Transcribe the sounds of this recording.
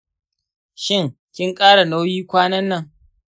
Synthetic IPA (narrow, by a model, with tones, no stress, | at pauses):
ʃɪ˦˨ŋ | kʲɪ˦ŋkʼaː˦ɽa˨na˦wjiː˦kʷaː˦nɐ˦nːɐ˦ŋ